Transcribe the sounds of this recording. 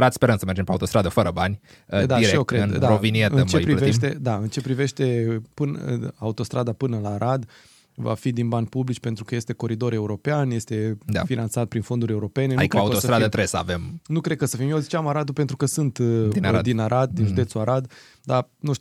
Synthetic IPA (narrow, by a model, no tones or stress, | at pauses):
ɾat̪speɾənt̪səmerd͡ʒempeaut̪ost̪ɾad̪əfəɾəbanʲ | d̪aeeokɾednaɾovinieɨnt͡ʃepɾiveʃt̪e̞d̪aɨnt͡ʃe̞pɾive̞ʃt̪e̞pɨn̰aut̪o̞st̪ɾad̪apɨnəlaːɾʔad̪ | va̰fid̪inbanʲpublit͡ʃʲpe̞nt̪ɾukəje̞st̪e̞ko̞ɾid̪o̞ɾe̞uɾo̞peanje̞st̪e̞d̪a̰finant̪sat̪̚pɾinfo̞nd̪uɾʲe̞uɾo̞pe̞nenad̪ikəauot̪osəɾad̪ət̪ɾejesəa̰vemnukɾe̞d̪̚kəsəfimjezit͡ʃamaɾad̪upe̞nt̪ɾukəsɨnt̪ind̪d̪inaɾad̪̚d̪inʒud̪et̪suaɾʔad̪ | d̪anuʃt